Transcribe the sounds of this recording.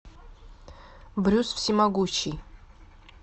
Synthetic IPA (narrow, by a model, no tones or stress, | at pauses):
bɾʲusfsʲimaɡut͡ʃʰij